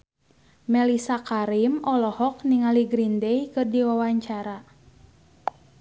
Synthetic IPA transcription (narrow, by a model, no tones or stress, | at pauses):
mɛlisakaɾimɔlɔhɔk̚niŋaliɡɾindɛikɨrdiwawaɲt͡ʃaɾa